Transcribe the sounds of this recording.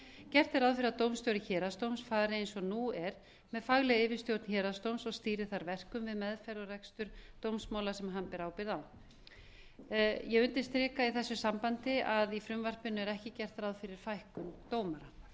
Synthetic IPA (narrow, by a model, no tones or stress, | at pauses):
cɛr̥t̪ɛɾaðfɪɾɪat̪owmst̪jowɾɪçɛːɾast̪owmsfaːðɾɪejnsɔnuɛɾ̥ | mɛðfaɣlɛɪːvɪɾ̥st̪jowt̪n̥çɛːɾast̪owmsɔɣst̪iːɾɪθaɾvɛr̥kʏmvɪðmɛðfɛɾɔrɛkst̪ʏɾt̪owmsmaːwlasɛmɦanpɛɾaːwpɪɾðaw | jɛʏnt̪ɪst̪ɾɪːkaiθɛsːʏsampant̪ɪaðifɾʏmvar̥pɪnːʏɛɾɛhcɪcɛr̥t̪ɾawðfɪɾɪɾ̥fajhkʏmt̪oːwmaɾa